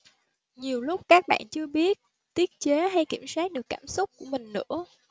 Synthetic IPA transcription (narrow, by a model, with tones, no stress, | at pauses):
ɲi˨˩əwlʊ˦˥k͡p̚kaː˦˥k̚ɓa̰ː˧˨nt͡ɕɨ˧əɓi˦˥ət̚ | t̪i˦˥ət̚t͡ɕe˨˦ɦa˧jki˧˩əmsaː˦˥k̚ɗɨ˨˩əkːaː˧˩msʊ˦˥k͡p̚ku˧˩əmï˨˩ŋ̟nɨ̰˧˥ə